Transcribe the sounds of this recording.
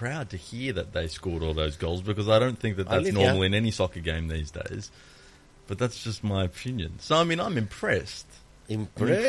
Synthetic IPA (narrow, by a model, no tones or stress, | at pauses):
pʰɹ̥aʊd̚tɨhiɹðɨt̪̚ðeɪskɔɹɾlˠðoʊzɡoʊlˠzbɨkʌzaɪɾõʊ̃nθɪ̃ŋk̚ðɨt̪̚ðætsnɔɹml̩ˠiɨ̃nɛnisɑkəɡẽɪ̃mðizdḛɪz̥ | b̥ʌt̪̚ðætsd̥ʒ̥ʌst̚maɪɨpʰɪ̃njɨ̰̃nsoʊaɪmĩnãɪ̃mɨ̃mpʰɹ̥ɛst | ɪ̃mɛ